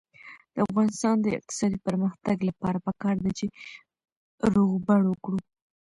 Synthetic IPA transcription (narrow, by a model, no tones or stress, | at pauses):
d̪̥əafɣɑnɪst̪ɑnd̪əɪ̰q̚t̪ɪ̥sɑd̪ipəɾməxt̪aɡlapɑɾapəkɑɾd̪at͡ʃe | ɾoɣbaɽwəkɽu